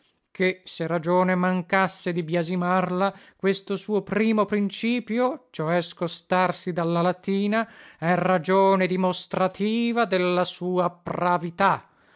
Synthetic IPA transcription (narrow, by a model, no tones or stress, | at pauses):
kʰeserad͡ʒoːnemaŋkasːed̪ibjazimarlakwest̪osuːopɾiːmopɾint͡ʃiːpjot͡ʃoɛskost̪arsid̪alːalat̪iːnaɛrad͡ʒoːned̪imost̪ɾat̪ʰiːvad̪elːasuːapravit̪a